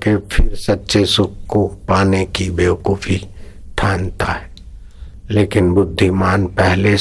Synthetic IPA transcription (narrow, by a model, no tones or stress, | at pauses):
kepʰɪɾsɐtːʃesʊkkopaːnekibeːʋkuːfit̪ʰaːnt̪aɦɛː | leːkɪnbʊd̪ʱːimaːnpɛɦle